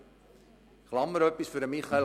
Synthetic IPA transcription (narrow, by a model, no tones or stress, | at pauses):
χlɑməɾopisfəɾəmiχɐ